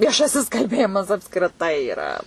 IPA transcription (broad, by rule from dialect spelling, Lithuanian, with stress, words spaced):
ʋʲiɛˈʃɑːsʲɪs kɐlʲˈbʲeːjɪmɐs ɐpskrʲɪˈtɐɪ iːˈrɐ